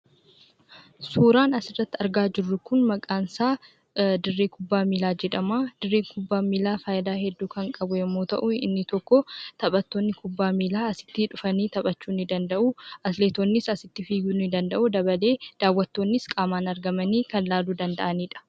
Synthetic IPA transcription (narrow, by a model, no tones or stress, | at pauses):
suːɾaːnɐsɪrːɐt̪ːɪɐɾɡaːd͡ʒɪrːʊkʊnmɐkʼaːnsaː | d̪ɪrːiːkʊbːaːmiːlaːd͡ʒɛᶑɐmaːd̪̥ɪrːiːkʰʊbːaːmiːlaːfaːjɪd̪aːhɛd̪ːuːkɐŋkʼɐbʊɛmːoːt̪ɐ̰ʔʊɪ̰nːɪt̪ɔkːɔt̪ɐpʼɐt̪ːoːnːɪkʊbːaːmiːlaːɐsɪ̥t̪ːɪᶑʊfɐniːt̪ɐpʼɐt͡ʃːuːnːɪd̪ɐnd̪ɐʔʊɐsleːt̪oːnːɪsɐsɪt̪ːɪfiːɡunːɪd̪ɐnd̪ɐʔʊd̪ɐbɐle̞ːd̪̥aːwːɐt̪ːo̞ːnːɪskʼaːmaːnɐɾɡɐmɐniːkɐnlaːluːd̪ɐnd̪ɐʔɐniːᶑɐ̥